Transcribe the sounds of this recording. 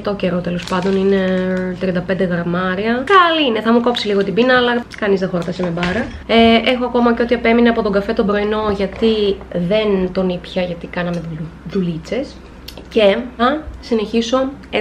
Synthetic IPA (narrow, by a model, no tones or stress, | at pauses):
t̪oce̞ɾot̪e̞lo̞spɐnd̪o̞nine̞t̪ɾiɐnd̪ɐpe̞nd̪e̞ɣɾɐmɐɾiɐkɐliine̞θɐmuko̞psiliɣo̞t̪ibinɐːlɐkɐnizt̪ɐxo̞ɾt̪ɐsemebɐɾɐ | eʔexoɐko̞mɐceo̞t̪iɐpe̞mineɐpo̞t̪o̞ŋɡɐfe̞t̪o̞mbɾo̞ino̞ʝɐt̪iðe̞nt̪o̞nipçɐʝɐt̪ikɐnɐmeuðulit͡se̞s | ce̞θɐsine̞çiso̞